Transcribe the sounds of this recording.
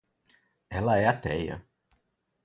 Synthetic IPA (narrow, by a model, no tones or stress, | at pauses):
ɛlɐɛat̪ɛjɐ̰